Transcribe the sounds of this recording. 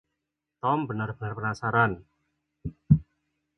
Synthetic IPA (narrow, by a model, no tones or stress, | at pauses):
t̪ɔmpənərpənərpnaːsaɾan